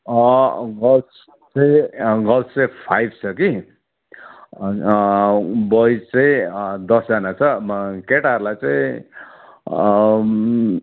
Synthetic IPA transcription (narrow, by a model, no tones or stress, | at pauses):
ʌɡʌlt͡s | t͡sʌĩɡʌlepʰajb̚ʱt͡sʰʌki | bʌjt͡sʌĩd̪ʌsd͡zanat͡sʰʌkeʈarlajt͡saĩ